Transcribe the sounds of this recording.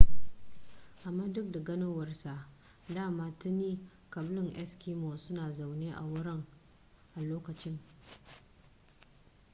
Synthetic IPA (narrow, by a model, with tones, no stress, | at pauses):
ʔa˨mːaː˦dʊ˦k̚da˨ɡɐ˦noː˦wɐ˨rsa˨ʔ | daː˦˨maː˦tʊ˦niː˦ | kɐ˨blʊ˦ŋʔɛ˦skiː˦moː˨sʊ˦naː˨za˨wneː˦ʔa̰˨wʊ˦ɽɪ˦ŋ | ʔa˨loː˦kɐ˨t͡ʃɪ˦ŋ